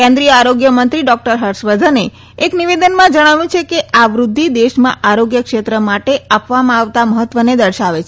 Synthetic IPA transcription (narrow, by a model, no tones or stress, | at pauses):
kẽnd̪ɾijəaɾoɡjəmənt̪ɾiɖɔk̚ʈəɾɦəɾʃʋəd̪ʱəne | ekniʋed̪ənmãd͡ʒəɽ̃aʋjũt͡ʃʰekeaʋɾud̪ʱːid̪eʃmã̰ʔaɾoɡjəkʃet̪ɾəmaʈeapʋamãaʋt̪aməɦət̪ʋəned̪əɾʃaʋet͡ʃʰe